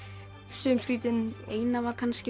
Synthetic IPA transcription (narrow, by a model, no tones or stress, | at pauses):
sʏːmskɾiːt̪ɪneːjnavaɾkʰanscɪ